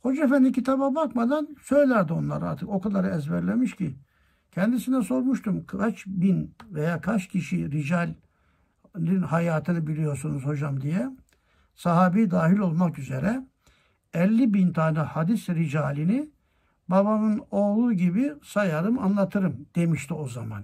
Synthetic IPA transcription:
ho̞d͡ʒefænd̪imcʰit̪ʰababakmad̪ansø̞jlʲæɾd̪io̞nlˠa̰ɾa̰ɾt̪ʰɯko̞kad̪aɾɛzbæɾlʲemiʃcʰi | cʰɛnd̪isinɛso̞ɾmuʃt̪ʰumkʰat͡ʃbinvejaːkʰat͡ʃcʰiʃiɾid͡ʒalʲ | linhajaːt̪ʰɯnɯbilʲijo̞ɾsunuzho̞d͡ʒamd̪ijɛ | saɦaːbijd̪aːɦilʲo̞lˠmakyzeɾɛ | ɛlʲːibint̪ʰaːnɛhad̪isɾid͡ʒaːlʲini | baβamɯno̞ːlˠuːɟibisajaɾɯma̰nlˠat̪ʰɯɾɯmd̪̥e̞miʃt̪ʰio̞za̰ma̰n

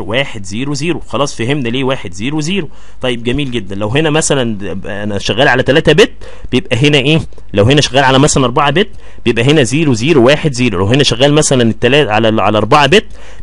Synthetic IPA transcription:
wæːħed̪ziːɾwziːɾoxɑlɑːsˤfæhemnæliːwæːħed̪ziːɾuweziːɾo | t̪ˤɑjːeb̚ɡæmiːlɡed̪ːænlæwɦenæmæsælæn | ænæʃæɣːæːlʕalæt̪ælæːt̪æbet̪̚ː | b̥ejebʔæɦenæʔeː | læwhenæʃæɣːæːlʕalæmæslænʔɑɾˤbaʕabet̪ː | b̥ejebʔæɦenæziːɾwziːɾwwæːħed̪ziːɾulæwhenæʃæɣːæːlmæsælænet̪ːælæːʕalælʔalæʔɑɾˤbaʕabet̪ː

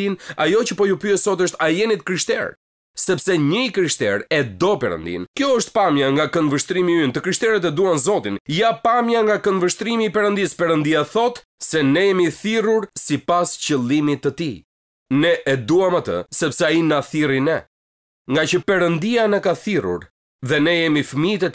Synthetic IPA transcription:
inajɔt͡ɕəpɔjupyɛsɔt̪əʃt̪ajɛnit̪ə̥kɾiʃt̪ɛ̰ɾ | sɛpsɛɲəikɾiʃt̪ɛ̰ɾɛd̪ɔpɛɾə̰nd̪ḭnkjɔəʃt̪̚pamjaŋɡakənvəʃt̪ɾimiynt̪əkɾiʃt̪ɛɾət̪̬ɛd̪uanzɔt̪injapamjaŋɡakənvəʃt̪ɾimiːpɛɾənd̪ispɛɾənd̪iaθɔt̪ | sɛnɛjɛmiθiruɾsipast͡ɕəlˠimit̪ət̪i | nɛʔɛd̪uamat̪ə̰sɛpsɛainaθirinɛ | ŋɡat͡ɕəpɛɾənd̪ianɛkaθirṵɾ | ðɛnɛjɛmifəmit̪ɛt̪i

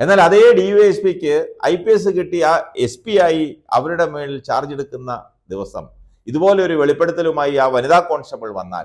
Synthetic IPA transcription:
e̞nːaːlɐðejeɖijuespikʲːɨɐ̰jpːies̬ɨkiʈːiaːe̞spiaːjiɐ̰ʋɐɾuɽe̞meːɭilt͡ɕa̰ːrd͡ʑeɽukːunːɐ | d̪iʋɐsɐ̰m | iðubo̞ːle̞o̞ɾuʋe̞ɭipːe̞ɽut̪ːɐlumaːjiaːʋɐniðaːkːo̞ːɳɖsɐpːɐɭʋɐ̰nːa̰ːl

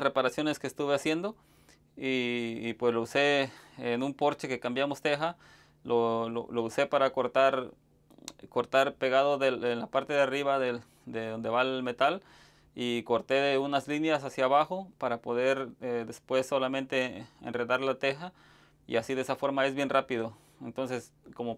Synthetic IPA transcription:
repaɾasjo̞ne̞skeːst̪uβeasje̞nd̪o̞ | iːpwe̞slouse̞enumpo̞ɾt͡ʃe̞ke̞kambjamo̞st̪e̞xa | lʔolo̰louse̞paɾakoɾt̪aɾ | koɾt̪aɾpe̞ɣaðoðelenlapaɾt̪eðeariβaðe | d̪eðo̞nd̪e̞βaelme̞t̪al | iko̞ɾt̪e̞ðeunazlinjasasjaβaxo̞paɾapo̞ðe̞ɾed̪espwe̞sːo̞lamẽnt̪e̞ḛnreðaɾlat̪e̞xa | ḭasiðesafo̞ɾmae̞zβje̞nrapið̞o | ent̪o̞nse̞s | ko̞mo

